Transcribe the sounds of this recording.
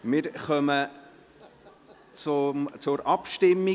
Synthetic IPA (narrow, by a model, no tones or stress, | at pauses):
mɪɾχœmə | t͡sʊt͡sʊɾɑpʃtɪmːi